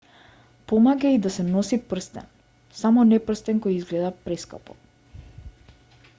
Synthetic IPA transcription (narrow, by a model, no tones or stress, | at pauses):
pɔmaɡaid̪asɛnɔsipr̩st̪ɛ̰n | samɔnɛpr̩st̪ɛnkɔjizɡlɛd̪apɾɛska̰pɔ̰